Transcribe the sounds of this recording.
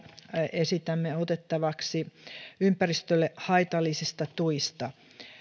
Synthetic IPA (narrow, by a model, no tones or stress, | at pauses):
esit̪æmːeot̪et̪ːɑʋɑksiympærist̪ølːehɑit̪ɑlːˑisist̪ɑt̪uist̪ɑ